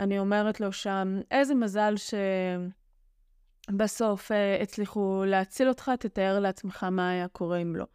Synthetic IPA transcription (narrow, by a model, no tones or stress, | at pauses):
anio̞me̞ʁetlo̞ʃame̞jzemazalʃe̞ | baso̞feet͡sliχuleat͡silo̞tχat̪et̪aeʁleat͡sme̞χamaːjako̞ʁeimlo̞̰